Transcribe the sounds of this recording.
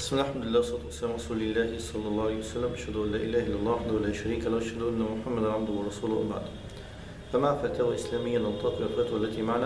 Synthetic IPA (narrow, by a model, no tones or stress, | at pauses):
smɪnalħamd̪ʊlɪlːaːwsˤɑːt̪ʊwasːalaːmɾˤɑsuːlɪlːaːhɪsˤɑlːɑlːˤɑːʕalejwasalːamʔaʃhad̪ʊʔanlːaːʔɪlaːhaʔɪlːalˤːɑːwaħad̪ahʊlaːʃaɾiːkalawʔaʃhad̪ʊʔanːamʊħamːad̪anʕab̚d̪ʊwɑrˤːɑsuːlʊwa̰baʕd̪ | famafaːt̪ahʊlʔɪslaːmɪjːant̪ˤːɑːkɪwalfaːt̪ahalːat̪iːmaʕnaː